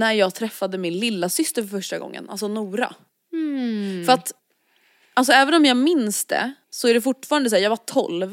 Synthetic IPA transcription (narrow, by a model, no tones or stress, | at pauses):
næɾjɑːɡ̚t̪ʰɾɛfːad̪əmɪnlɪlːasʏst̪əɾfœfœʂʈaɡɔ̰ŋːə̰nʔa̰ls̬ɔnuːɾa̰ | fœɾat̪ | als̬ɔɛːvənɔmjɑːɡmɪnsd̪ɛ̰sɔæɖɛfʊʈːfɑːɾand̪əs̬æːɾjɑːɡvaʈʰɔ̰lv